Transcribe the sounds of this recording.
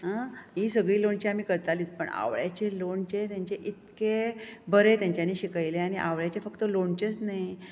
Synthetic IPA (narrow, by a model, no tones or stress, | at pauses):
ɦaɦisəɡɭiːloɳt͡ɕeam̤iːkəɾt̪aliːt͡spə̰ɳa̰ʋɭjat͡ɕeloɳt͡ɕet̪jaɲt͡ɕeʔit̪kebəɾet̪jãɲt͡ɕjaniːɕikajleañiʔa̰ʋɭjat͡ɕefəkt̪əloɳt͡ɕet͡snaj